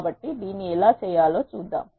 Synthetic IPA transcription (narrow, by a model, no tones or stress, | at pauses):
bɐʈːid̪iːnːiɛlaːt͡ʃɛːjaːlo̞ːt͡ʃuːd̪ːa̰ːm